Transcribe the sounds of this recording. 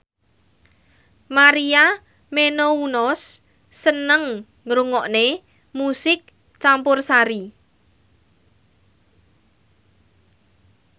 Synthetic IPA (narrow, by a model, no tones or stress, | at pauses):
maɾia | menounɔsː | ənəŋ | ɾuŋɔʔne | musɪk̚ | t͡ʃampʊrsaɾi